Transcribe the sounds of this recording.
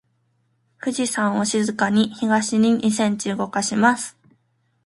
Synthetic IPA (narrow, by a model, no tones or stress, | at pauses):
ɸɯ̟ʑisãɰ̃o̞ɕizɨkaɲ̟içiɡaɕiɲ̟iɲʲʔis̬ẽ̞ɲ̟t͡ɕiɯɡo̞kaɕimasɨ̥